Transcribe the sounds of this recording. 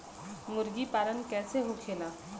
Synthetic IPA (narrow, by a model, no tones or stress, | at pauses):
ŋuɾɡipaɾənkɛseɦukʰela